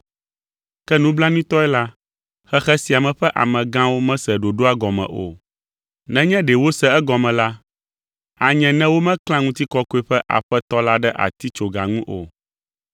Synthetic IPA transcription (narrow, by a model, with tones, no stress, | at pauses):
kɛ˦nũ˦bla˦nĩ˦t̪ɔ˦ɛ˦la˦ | xɛ˦xɛ˦si˨a˨mɛ̃˨ɸɛ˦ʔa̰˨mɛ̃˨ɡã˦wo˦mɛ̃˦sɛ˨ɖo˨ɖo˦a˦ɡɔ˨mɛ̰̃˨ʔo̰˨ | nɛ̃˦ɲɛ̃˦ɖɛ˨wo˦sɛ˦ɛ˦ɡɔ˨mɛ̃˨la˦ | a˨ɲɛ̃˨nɛ̃˦wo˦mɛ̃˦klã˦ŋũ˦t̪i˦kɔ˦ko˦e˦ɸɛ˦ʔa̰˨ɸɛ˦t̪ɔ˦la˦ɖɛ˦ʔa̰˨t̪i˦t͡ʃo˨ɡa̰˨ŋũ˦ʔo̰˨